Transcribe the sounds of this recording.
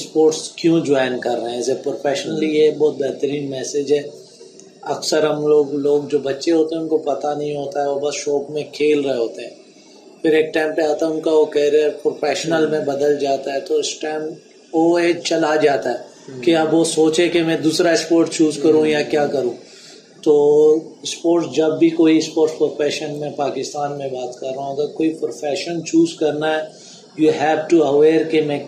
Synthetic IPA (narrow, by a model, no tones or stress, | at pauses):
spoːɾʈskjũd͡ʒaːɪnkɐɾːəɦɛ̃ɪsepɾoːfɛːʃnəlijebɔːt̪̚bɛɦt̪əɾiːnmɛːsed͡ʒɦɛː | ɐksəɾɦɐmloːɡloːɡd͡ʒoːbɐtːʃeɦoːt̪eɦɛ̃ʊnkopɐt̪anɐɦĩɦoːt̪aɦɛʋobɐsʃɔːkmẽkʰeːlɾəɦeɦoːt̪eɦɛ̃ː | fʰɪɾeːk̚ʈaːɪmpeaːaːt̪aɛʊ̃kaʋokɛːɾiəɾpɾofɛːʃnəlmẽbɐd̪əld͡ʒaːt̪aɦɛt̪oɪsʈaːɪm | oeːt͡ʃɐlad͡ʒaːt̪aɦɛː | keɐbʋosoːt͡ʃekemɛ̃d̪uːsɾaɪspoːɾʈst͡ʃuːzkɐɾũjakjaːkɐɾũː | t̪oːspoːɾʈsd͡ʒɐbːʱikoːispoːɾʈspɾofɛːʃənmẽpaːkɪst̪aːnmẽbaːt̪kɐɾːaːũɐɡəɾkoːipɾofɛːʃənt͡ʃuːzkɐɾnaɦɛː | juɦɛːʋʈuɐʋeːɾkemẽ